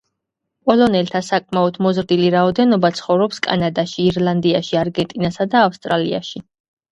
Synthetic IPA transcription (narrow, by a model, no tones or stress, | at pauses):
pʼɔlˠɔnɛlt̪ʰasakʼmaɔd̪ʰmɔzɾd̪iliɾaɔd̪ɛnɔbat̪sʰχɔvɾɔpskʼa̰nad̪aʃiːɾlˠand̪iaʃiaɾɡɛnt̪ʼinasad̪aːfst̪ʼɾalia̰ʃi